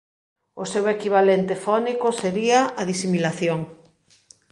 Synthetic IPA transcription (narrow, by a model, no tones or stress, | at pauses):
ʊsewekiβ̞alent̪efɔnikʊseɾiaaðisimilaθjoŋ